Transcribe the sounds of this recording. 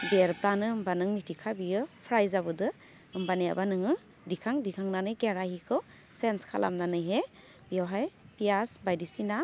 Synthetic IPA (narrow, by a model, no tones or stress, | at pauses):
beɾplanɯɯmbanɯŋmitʰikʰabijɯpʰɾajzabɯdɯ | ɯmbanea̰banɯŋɯ | dikʰaŋdikʰaŋnanɯjkeɾahikʰɯw | senskʰa̰lʔa̰mnanɯjɦe | bijawɦajpijasbajdisina